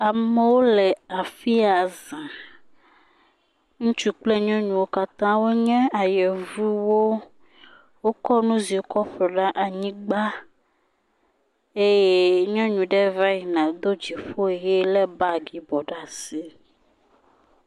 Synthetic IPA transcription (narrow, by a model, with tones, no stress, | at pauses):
a˨me˨wo˦lɛ˨a˨fi˦a˨zã˨ | ŋũ˦t͡ʃu˦k͡plɛ˦ɲɔ̃˦ɲũ˨wo˦ka˦t̪ã˦wo˦ɲɛ̃˦a˨jɛ˨vu˦wo˦ | wo˦kɔ˦nũ˦zi˨o˦kɔ˦ɸlɔ˨ɖa˦ʔa˨ɲĩ˦ɡ͡ba˦ | e˦je˦ɲɔ̃˦ɲũ˨ɖɛ˦va˦i˨nã˨d̪o˦d͡ʒi˨ɸo˦e˨jɛ˦lɛ˦ba˦ɡi˨bɔ˨ɖa˨si˦